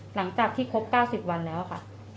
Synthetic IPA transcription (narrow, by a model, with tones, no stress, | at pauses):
la˩˦ŋt͡ɕaː˨˩k̚t̪ʰiː˥˩kʰo˦˥p̚kaː˥˩wsi˨˩p̚wa˧nlɛː˦˥wkʰa̰˥˩